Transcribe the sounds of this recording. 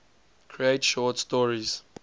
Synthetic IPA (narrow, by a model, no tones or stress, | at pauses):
kʰɹietʃɔtstɔɹiz̥